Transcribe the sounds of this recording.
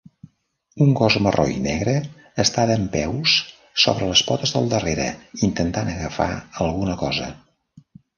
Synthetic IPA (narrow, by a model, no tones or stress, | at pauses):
uŋɡɔzmərʔo̰jnɛɣɾəː | st̪aðəmpɛwsː | o̰βɾələspɔt̪əzðəlˠd̪əreɾə̰int̪ənt̪anəɣəfa̰əlˠɣunəkɔzə̰